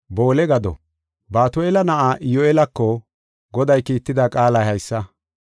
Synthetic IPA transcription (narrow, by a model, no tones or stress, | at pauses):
bo̞ːlɛɡɐd̪ɔ̰ | baːt̪ʊelɐnɐʔaːʔɪjɔelɐkːɔ | ɡɔd̪ɐjkiːt̪ːɪd̪ɐkʼaːlɐjhɐjsːɐ